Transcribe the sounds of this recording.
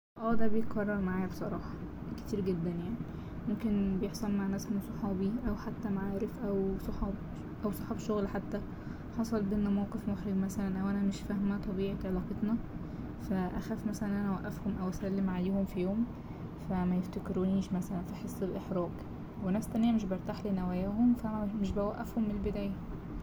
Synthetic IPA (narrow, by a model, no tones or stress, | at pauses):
ʔæːd̪æbejet̪̚qɑrˤːɑɾˤmaʕaːjæbsˤɑɾˤɑːħɑ̥ | ke̥t̪iːɾɡed̪ːænjaʕni | momkenbejeħsˤɑlmaʕnæːsmosˤɑħɑːbiʔæwħat̪ːæmaʕaːɾefʔæwsˤɑħɑːb | ʔæwsˤɑ̥ħɑbʃoɣlħat̪ːæ | ħɑsˤɑlbeʔenːæmæwqefmoxɾeɡmæsælænʔæwʔænæmeʃfæhmæt̪ˤɑbiːʕet̪ʕelɑːqɑt̪nɑ | fæʔæxæːfmæsælænʔænæwæʔːæfhomʔæwʔæsælːemʕaleːhomfijoːm | fæmæjeft̪ækɾuniːʃmæsælænfiħesˤːelʔeħɾˤɑːɡ | wenæfst̪ænejæmɪʃ̬bɑɾˤt̪aħlinæwæjæːhomfæʔænæmeʃbæwæʔːæfhomːnelbɪd̪æːjæ